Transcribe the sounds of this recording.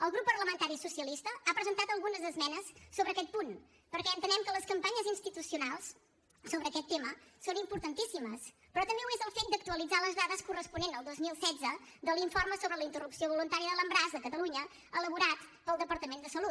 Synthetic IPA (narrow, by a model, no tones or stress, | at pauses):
əlˠɣɾupːərləmənt̪aɾisusiəlist̪əapɾəzənt̪at̪əlˠɣunəzəzmɛnəsːoβɾəːkɛt̪̚pun | pəɾkɛənt̪ənɛmkələskəmpaɲəzinst̪it̪usiunalˠs | soβɾəːkɛt̪ːeməsonimpuɾt̪ənt̪isiməs | pɾɔt̪əmbeuezəlˠfet̪̚d̪ək̚t̪uəlid͡zaləzðaðəskurəspunenəlˠd̪ozmilˠsɛdd͡zəd̪əlˠiɱforməsoβɾələint̪ərupsioβulunt̪aɾiəðələmbɾazðəkət̪əluɲə | ələβuɾat̪pəlˠd̪əpəɾt̪əmend̪əsəlut̪̚